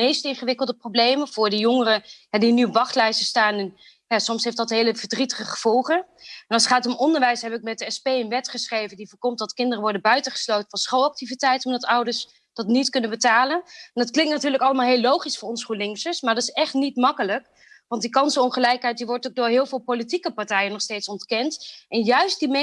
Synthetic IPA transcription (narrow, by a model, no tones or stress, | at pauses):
ejstɪnχəʋɪkəlˠdəprowblejmənv̥ʊːɹdijɔŋərəɦɛdinyɔpʋɑχtlɛjsəstaːnɛn | jaːsɔmsɦejftdɑtɦejləvəɹdritəχəχəv̥ɔlˠχəɛnɑlˠsχaːtɔmɔndəɹʋɛjsɦɛbɪk̚mɛt̚dəɛspejənʋɛtχəsχrejvəndivəːɹkɔmt̚dɑtkɪndərəʋɔɹdəbœɥtəχə̥slowtənfɑnsχowlɑk̚tivitɛjtɔmdɑtʌwdəɹs | d̥ɑtnitkɵnəbətaːlənɛndɑtklɪŋktnatyːɹləkɑlˠəmaːlˠɦeːlːowχisfʊːɹɔnsχulɪŋsəsmaːdɑtɪ̥sɛχtnitmɑkələk | ʋɑntdikɑnsəɔnχəlɛjkɦɛjt̚diʋɔɹtoɡ̚dʊːɹɦɪːlˠvɪːlˠpolitikəpaɹtɛjənɔχstejtsɔntkɛntʔɛnjœɥst̚dimɛ